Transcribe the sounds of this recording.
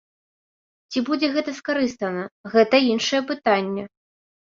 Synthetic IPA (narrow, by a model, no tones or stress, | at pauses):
t͡sʲibud͡zʲɛɣɛt̪ɐskaɾɨst̪ɐnɐɣɛt̪ɐinʂɐjɛpɨt̪anʲːɛ